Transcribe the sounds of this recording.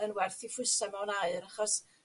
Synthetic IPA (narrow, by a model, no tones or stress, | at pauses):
ənwɛrθifwʊsamɛwnaɨɾaχɔs